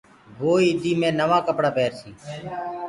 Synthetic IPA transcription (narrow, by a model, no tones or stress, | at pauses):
boːiːd̪iːmẽːnəʋãːkəpɽaːpeːɾsĩː